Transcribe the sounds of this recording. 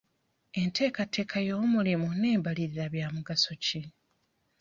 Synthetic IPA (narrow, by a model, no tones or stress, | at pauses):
e̞ntʰe̞ːkate̞ːkʰajo̞mulimune̞ːmbaliɾiɾaβjaːmuɡaso̞ci